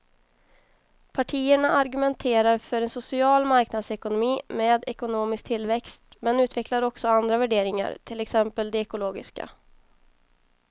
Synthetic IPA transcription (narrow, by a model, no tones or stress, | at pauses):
pʰaʈʰiːəɳaʔaɾɡɵmɛnt̪ʰeːɾaɾfœɾɛnsʊsɪɑːlmaɾknad̪sɛkʊnʊmiːmeːd̪ɛkʊnoːmɪsk̚t̪ʰɪlːvɛkst̪mɛnʉ̟ːt̪vɛklaɾɔksɔand̪ɾavæɖeːɾɪŋa̰ɾt̪ʰɪlɛksɛmpəld̪ɛɛkʊloːɡɪ̰ska̰